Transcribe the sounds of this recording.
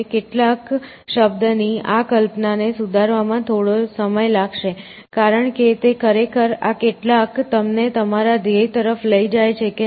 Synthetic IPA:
keʈlak | ʃəb̚d̪niakəlpnanesud̪ʱaɾʋamãt̪ʰoɽosəməjlaɡʃe | kaɾəɳket̪ekʰəɾekʰəɾa̰keʈlakt̪əmnet̪əmaɾad̪ʱeit̪əɾəfləid͡ʒajt͡ʃʰeke

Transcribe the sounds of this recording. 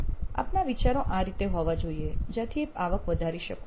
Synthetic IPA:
a̰pnaʋit͡ʃaɾoʔaɾit̪eɦoʋad͡ʒoied͡ʒat̪ʰiepaʋəkʋəd̪ʱaɾiʃək

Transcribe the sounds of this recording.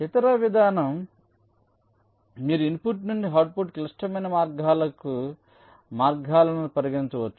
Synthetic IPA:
it̪ɐɾɐʋid̪ʱaːnɐm | iːɾuinpuʈnuɳɖiɦaːɾʈ̚puʈklɐʂʈɐmɐjnɐmaːɾɡʱaːlɐku | maːɾɡʱaːlɐnupɐɾɐɡɐiɲt͡ʃɐʋɐt͡ʃːu̥

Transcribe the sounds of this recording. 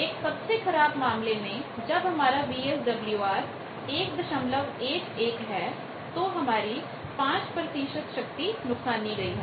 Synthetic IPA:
eːksɐbsekʰɐɾaːbmaːmlemẽd͡ʒɐbɦɐmaːɾabiːesɖɐbljuaːɾ | eːk̚d̪ɐʃəmləʋeːʈeːkɦɛː | t̪oɦɐmaːɾi | pãːt͡ʃpɾət̪iːʃət̪ʃɐk̚t̪inʊksaːnːiɡɐiː

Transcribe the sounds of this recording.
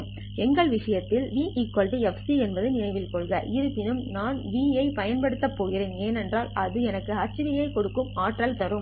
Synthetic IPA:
ɛŋɡɐɭʋɪʂɐjɐt̪ːɪlʋiːʔɪkːɔlɖɯɛfsiɛnbɐðɯnɪnɐɪʋɪlkɔɭɣɐʔɪɾɯpːɪnɯmnaːnʋiːjɐɪpɐjɐnpɐɽɯt̪ːɐpːoːjɪɾeːneːnɛndraːlɐðɯɛnɐkːɯɐt͡ʃːɯʋɪjɐɪkɔɽɯkːɯmaːʈrɐlt̪ɐrɯm

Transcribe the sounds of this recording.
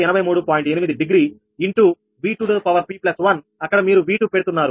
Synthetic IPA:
ɛnɐbɐjmuːɽupaːjiɳʈenimid̪iɖiɡɾiː | iɳʈu | ʋiːʈuːɖɐpɐʋɐɾpiːplɐsʋɐn | ɐkːɐɽɐmiːɾuʋiːʈupeɽut̪unːaːɾu

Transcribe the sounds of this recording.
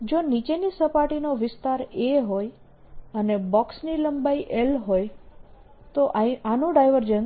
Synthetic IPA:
d͡ʒonit͡ʃenisəpaʈinoʋɪst̪aɾeɦoj | ənebɔksniləmbaiʔelɦoj | t̪oʔanũɖajʋəɾd͡ʒən

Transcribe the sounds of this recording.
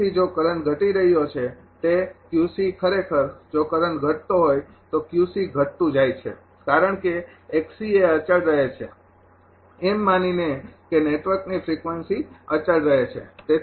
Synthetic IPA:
id͡ʒokəɾəɳɡʱəʈiɾəɦijot͡ʃʰe | t̪ekjusikʰəɾekʰəɾd͡ʒokəɾəɳɡʱəʈ̚t̪oɦoj | t̪okjusiɡʱəʈt̪ũd͡ʒajt͡ʃʰḛ | kaɾəɳkeeksieət͡ʃəɭɾəɦet͡ʃʰe | emːaninekeneʈʋəɾknifɾikʋənsiət͡ʃəɭɾəɦet͡ʃʰḛt̪e

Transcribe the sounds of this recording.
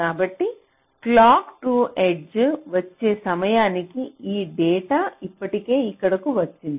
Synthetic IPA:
kaːbɐʈːi | klaːkʈuːʔeɖd͡ʒʋɐt͡ʃːe̞ːsɐmɐjaːnikiiːɖɛːʈaːipːɐʈike̞ːikːɐɽɐkuʋɐt͡ʃːind̪i

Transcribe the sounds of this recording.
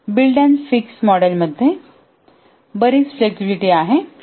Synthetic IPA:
bilɖənfiksmɔɽəlməd̪ʱːje | bəɾiːt͡sfleksibiʈiaɦe

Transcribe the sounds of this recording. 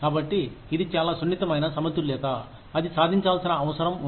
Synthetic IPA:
kaːbɐʈːiːd̪it͡ʃaːlaːsunːit̪ɐmɐjnɐsɐmɐt̪ɾulɛːt̪aː | ɐd̪isaːd̪ʱiɲt͡ʃaːlsinɐɐʋɐsɐɾɐmu

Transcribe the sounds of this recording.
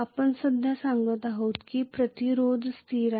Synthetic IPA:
apəɳsəd̪ʱjasãŋɡət̪aɦət̪kipɾət̪iɾod͡zst̪ʰiɾa

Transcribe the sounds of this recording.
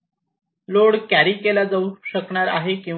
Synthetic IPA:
loɽkæɾiːkelad͡zauɕəkɳaɾa̰ɦekĩ

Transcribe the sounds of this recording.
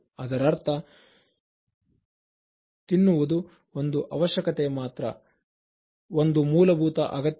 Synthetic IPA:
ɐd̪ɐɾɐɾt̪ʰɐ | t̪inːuʋud̪u | o̞nd̪uʔɐʋɐʃjɐkɐt̪emaːt̪ɾɐ̰ | ond̪umuːlɐbʱuːt̪ɐʔɐɡɐt̪

